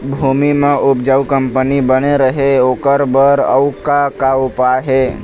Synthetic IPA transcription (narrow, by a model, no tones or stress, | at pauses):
bʱuːmimãʔʊpd͡ʒəʋkəmpənibəneɾəɦeoːkəɾbəɾə̰wkakaʊpaɦe